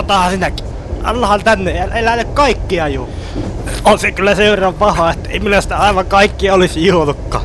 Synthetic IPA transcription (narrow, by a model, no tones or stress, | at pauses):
tot̪ɑhɑsinæki̥ | ɑ̰lːɑhɑnt̪ænːeehælelænykkɑikːiɑjuː | onsekylːæseʋerɑmpɑhɑet̪ːḛimilæsi̥t̪æɑˑiʋɑŋkɑikːiɑolisjuolukːɑ̰ː